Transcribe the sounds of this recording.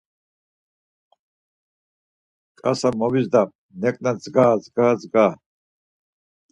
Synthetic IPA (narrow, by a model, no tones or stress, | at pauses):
kʼa̰samɔvizd̪a | nɛkʼnad͡zɡaːzɡaːzɡa